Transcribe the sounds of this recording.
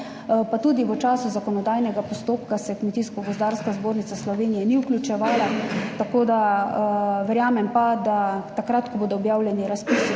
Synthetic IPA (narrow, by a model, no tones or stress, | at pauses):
pat̪ud̪iʋət͡ʃaːsuzakɔnɔd̪ajnɛɡapɔst̪oːp̚kasɛkmɛt̪iskɔbɔzd̪aːɾskazboːɾnit̪aslɔʋeːnijɛniuklʲjut͡ʃɛʋaːlat̪akoːd̪a | ʋɛɾjaːmɛmpad̪at̪akɾaːt̪kɔboːd̪ɔɔbjaːwlʲjɛniɾaspisi